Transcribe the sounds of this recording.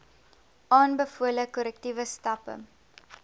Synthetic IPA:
ʔɑːnbəfuələkɔɾɛk̚tivəstɐpə̰

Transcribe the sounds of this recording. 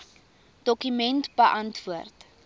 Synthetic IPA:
d̥ɔkymɛntb̥əʔɐntvuərt

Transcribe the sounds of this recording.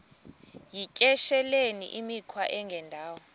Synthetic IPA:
jicʼɛʃɛlenḭʔimikʰwaʔɛŋɡʱɛndʱaːwɔ

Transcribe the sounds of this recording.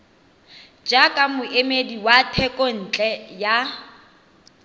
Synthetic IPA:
d͡ʒakʼamʊemediwatʰɛkʼɔn̩ːt͡ɬʼɛja

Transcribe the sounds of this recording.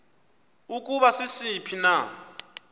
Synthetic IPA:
ukʼuβasisipʰina

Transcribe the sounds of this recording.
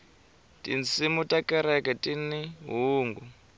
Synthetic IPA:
tʼint͡simutʼakʼɛɾɛkɛtʼiniɦuːŋɡu

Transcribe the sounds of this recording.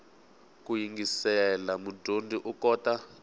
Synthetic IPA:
kujiŋɡisɛlamudʱondiʔukɔta

